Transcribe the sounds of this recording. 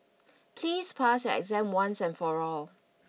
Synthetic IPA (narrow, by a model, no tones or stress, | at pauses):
pʰliːspʰasjuɛ̰ɡzɛ̃mwãnsɛ̃nfɔɹɔl